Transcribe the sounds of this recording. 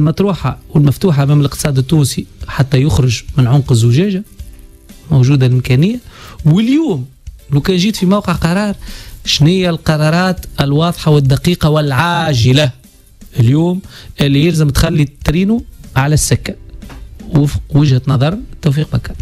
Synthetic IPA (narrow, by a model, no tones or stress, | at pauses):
lmɑt̪ˤɾuːħawɪlmæft̪uːħaʔmæːmɪlɪqt̪ə̥sˤɑːd̪ɪt̪ːuːnsiħat̪ːæjʊxɾʊʒmɪnʕʊnqɪzʊʒɛːʒa | mowʒuːd̪alʔɪmkɛnɪjːawɪljuːm | luwkɛːnʒiːt̪fimawqəʕqɑɾˤɑːɾˤʃnɪjːælqɑɾˤɑɾˤɑːt̪ɪlwɑːðˤħawɪd̪ːɑqiːqɑwɪlʕaːʒɪla | ʔɪljuːmʔɪlːijɪlzəmt̪xalːit̪ːɾiːnuʕalæsːɪkːæ | wʊfqwɪʒhæt̪nɑðˤɑɾˤt̪ːuwfiːq̚bakːa